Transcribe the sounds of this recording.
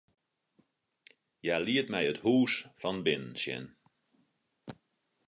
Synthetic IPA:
jaliətmɛjəthuːsfɑnbɪnənsjɛ̰n

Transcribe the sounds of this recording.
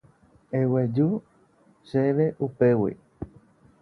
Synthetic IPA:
ewed͡ʒu | ʃeʋe̞ʔupe̞wḭ

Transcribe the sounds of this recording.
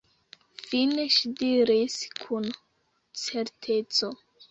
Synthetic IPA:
fine̞ʃidiɾiskʰun | t͡se̞ɾtʰe̞t͡so̞

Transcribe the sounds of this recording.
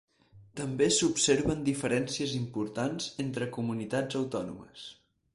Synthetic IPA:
t̪əmbesupseɾβənd̪ifəɾɛnsiəzimpuɾt̪anz̥ent̪ɾəkumunit̪ad͡zəwt̪ɔnṵmə̰s

